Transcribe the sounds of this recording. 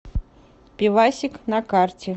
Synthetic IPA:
pʲivasʲiknɐkart͡sʲɪ

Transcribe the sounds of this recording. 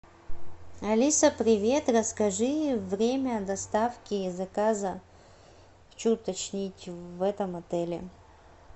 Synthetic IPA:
ɐlʲisəpɾʲɪvʲe̞t̪rəskɐʐɨvɾʲemʲəd̪ɐst̪afkʲɪzɐkazə | t͡ɕut̪ɐt͡ɕnʲitʲvɛt̪əmɐt̪ɛlʲɪ̰

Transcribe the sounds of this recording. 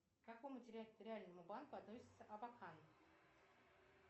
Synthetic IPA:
k̪akojmətʲɪɾʲat̪ɾʲɪalʲnəmʊbankʊɐt̪no̞sʲɪ̥t̪səʔɐbakʰan

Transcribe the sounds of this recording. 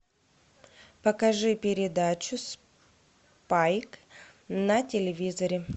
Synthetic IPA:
pəkɐʐɨpʲɪɾʲɪd̪at͡ɕʊs | pajk | nɐtʲɪlʲɪvʲizɐɾʲɪ

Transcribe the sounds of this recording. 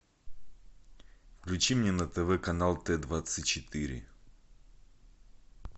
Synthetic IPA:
fklʲʉt͡ɕimnʲɛnət̪ɛvɛkɐnalˠt̪ɛd̪vat̪sɨt̚ʲt͡ɕɪt̪ɨɾʲɪ̰

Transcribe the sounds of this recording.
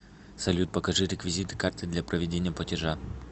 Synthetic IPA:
sɐlʲut̪̚pəkɐʐɨɾʲɪkvʲɪzʲit̪ɨ̥kart̪ɨd̪lʲɐpɾəvʲɪdʲenʲɪjəplˠətʲɪʐa

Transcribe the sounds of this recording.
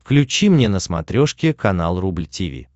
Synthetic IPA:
fklʲʉt͡ɕimnʲenəsmɐ̰t̪ɾʲoʂkʲɪkɐna̰lˠrublʲtʲɪvʲḭ

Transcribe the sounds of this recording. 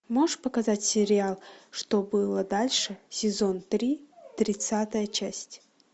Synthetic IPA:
moʂpəkɐzatʲsʲɪɾʲɪalˠʂt̪obɨlˠəd̪alʲʂɨsʲɪzo̞nt̪ɾʲit̪ɾʲɪt̪sat̪əjət͡ɕæsʲtʲ

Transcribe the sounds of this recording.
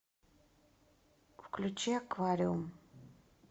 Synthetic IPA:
wklʲut͡ʃʰeakʰvaɾium

